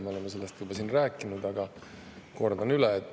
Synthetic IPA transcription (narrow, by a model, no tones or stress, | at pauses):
meo̞lemːɑse̞lːest̪jubɑsiːnræːkːˑinud̪ɑɡɑ | ko̞rd̪ɑnylɛːt̪ːˑ